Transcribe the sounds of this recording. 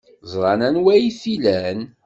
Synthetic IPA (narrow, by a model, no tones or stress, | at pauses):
zˤɾˤɑnænwæjiθilæn